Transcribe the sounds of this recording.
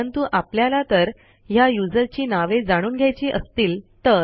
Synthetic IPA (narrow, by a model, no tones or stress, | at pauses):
ənt̪uʔapljalat̪əɾ | jajud͡zəɾt͡ɕiːnaʋed͡zaɽ̃uːnɡʱjajt͡ɕiːʔəst̪iːlt̪ə